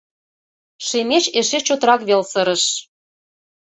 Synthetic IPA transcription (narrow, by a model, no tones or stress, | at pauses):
ʃemet͡ɕeʃet͡ɕot̪əɾɑkβelsɤ̆ɾə̆ʃ